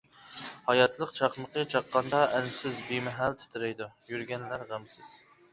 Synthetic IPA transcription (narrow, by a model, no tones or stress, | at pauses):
hɑjɑt̪ʰlˠəqt͡ʃʰɑχməqət͡ʃʰɑqːɑnd̪ɑʔɛnsɪzbimɛɦælt̪ʰɪ̥t̪ʰɪɾɛjd̪ujyɾɡʲɛnlæɾʁæmsɪz̥